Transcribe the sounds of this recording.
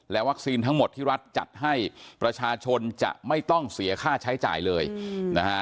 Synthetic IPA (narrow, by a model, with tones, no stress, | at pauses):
lɛ˦˥wa˦˥k̚siː˧nt̪ʰa˦˥ŋmo˨˩t̪ʰːiː˥˩ɾa˦˥t̪̚t͡ɕa̰˨˩t̪̚ɦa˥˩jpɾa˧t͡ɕʰaː˧t͡ɕʰo˧nt͡ɕa̰˨˩ʔma˥˩jt̪ɔ˥˩ŋsi˩˦ɐkʰaː˥˩t͡ɕʰa˦˥jt͡ɕa̰ː˨˩jlɤː˧jna˦˥kʰa˦˥